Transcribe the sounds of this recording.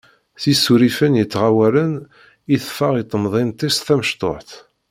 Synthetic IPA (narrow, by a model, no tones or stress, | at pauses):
θisuɾifənjət͡sːʁawælən | iθfəʁit̪ˤːəmðˤint̪ˤisθæməʃt̪ˤo̰ħθ